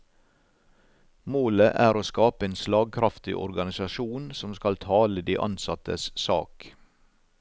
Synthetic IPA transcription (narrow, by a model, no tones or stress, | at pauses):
moːləʔæːɾoːskɑːpəeːnslɑːɡ̚kʰɾɑft̪ɪ̰ʔɔ̰ɾɡɑnɪsɑʃuːnsɔmskɑlt̪ʰɑːləd̪iːʔɑ̰nsɑt̪əssɑ̰ːk